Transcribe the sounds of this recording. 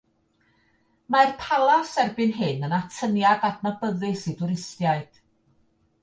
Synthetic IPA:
marpʰalˠasɛrbɨnɦɨnənatʰənjadadnabəðɨsidʊɾɪstjaɨd̥

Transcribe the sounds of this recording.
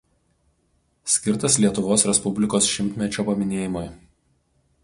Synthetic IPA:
sʲkʲɪɾt̪ɐslʲiɛt̪ʊʋoːsɾʲɛspʊbʲlʲɪkoːsʃʲɪmʲt̪ʲmʲɛt͡ʃʲoːpɐmʲɪnʲeːjɪmoj

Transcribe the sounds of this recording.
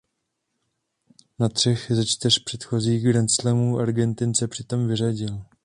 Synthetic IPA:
nat̪r̝̥ɛxzɛt͡ʃt̪ɪrpr̝̥ɛt̪xo̞ziːɣɡɾɛnt͡slɛmuːʔaɾɡɛnt̪ɪnsɛpr̝̥ɪt̪o̞mvɪraɟɪl

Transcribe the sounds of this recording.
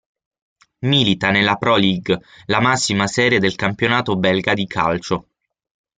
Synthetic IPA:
milit̪anelapɾɔliɡlamasːimasɛːɾjed̪elkampjonaːt̪obɛlɡad̪ikʰa̰lt͡ʃo

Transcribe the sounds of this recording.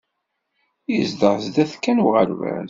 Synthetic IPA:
izd̪əʁzd̪æθkːænwʁəɾvæ̰n

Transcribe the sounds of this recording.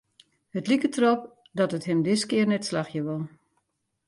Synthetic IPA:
hətlikətʰrop̚ | dɔtətɦɪmdɪskɪərnɛtslaxjəʋɔlˠ

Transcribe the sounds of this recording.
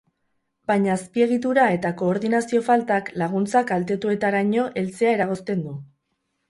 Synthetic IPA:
baɲaːspie̞ɣ̞it̪̬uɾae̞t̪ako̞ːɾðinasio̞falt̪aklaɣ̞unt͡sakalt̪e̞t̪ue̞t̪aɾaɲo̞ʔe̞lt͡se̞ae̞ɾaɣ̞o̞st̪e̞nd̪u

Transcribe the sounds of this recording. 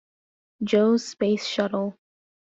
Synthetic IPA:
d͡ʒoʊz̥speɪsʃʌɾl̩ˠ

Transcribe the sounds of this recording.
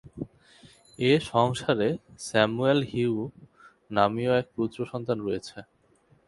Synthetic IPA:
eʃɔŋʃaɾesɛmuelɦiu | namioɛk̚pɾut̪ɾoʃɔnt̪anɾojet͡ɕʰe

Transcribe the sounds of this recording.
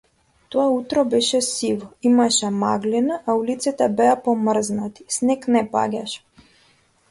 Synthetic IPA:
t̪ɔaut̪ɾɔbɛʃɛsivɔimaʃɛma̰ɡlinaʔːulit̪sit̪abɛapɔmr̩znat̪i̥snɛknɛpa̰ɡʲaʃɛ̥

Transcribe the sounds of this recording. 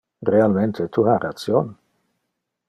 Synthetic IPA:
realment̪ʰet̪ʰuhaɾat̪t͡sjon

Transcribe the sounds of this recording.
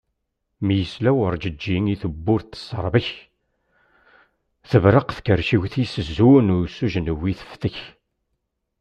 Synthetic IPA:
mjəslæwəɾˤd͡ʒəd͡ʒːiŋiθəbːʊɾt̪ːə̥səɾˤbəç | θəvɾəqθkəɾʃiwθisəzːunʊɾsːuʒnəwiθə̥fθəç

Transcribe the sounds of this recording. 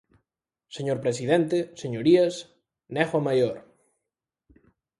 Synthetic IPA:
seɲoɾpɾesiðɛnt̪eseɲoɾiɐs | nɛxwamajoɾ

